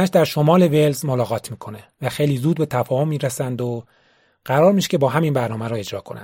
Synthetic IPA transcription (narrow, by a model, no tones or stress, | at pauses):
æʃd̪æɾʃo̞mɒːle̞velzmolɒːɣɒːt̪ʰmiːkʰo̞nevæxe̞jliːzuːd̪̚be̞t̪ʰæfɒːho̞mːiːɾesænd̪o | ɢ̥æɾɒːɾmiːʃcʰebɒːɦæminbæɾnɒːmæɾoe̞d͡ʒɾɒːkʰonæ̰n